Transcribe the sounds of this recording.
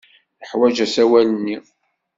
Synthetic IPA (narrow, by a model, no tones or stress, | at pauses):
əħwæd͡ʒæsæwælənːi